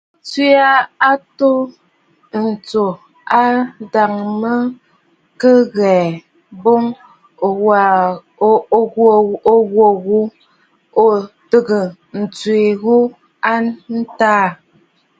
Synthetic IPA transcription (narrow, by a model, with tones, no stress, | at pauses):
t͡swe˦a˦a˦to˦ | n̩˨t͡so˨ | a˦da˨ŋmə˦ | kə˦ɣɛː˨ | bo˦ŋ˨ | a˨˦ | o˦˨o˦ɣwo˨ɣu˦ | o˦tə˦ɡə˨ | n̩˨t͡swe˨ɣu˦ | a˦nn̩˦taː˦